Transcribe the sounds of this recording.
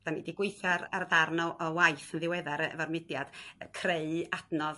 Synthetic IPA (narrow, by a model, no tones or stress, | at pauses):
d̥anidiɡwɪɨθaɾarðarnɔʔɔwajθənðɪwɛðaɾvarmɪdjad̥kʰreɨad̥nɔð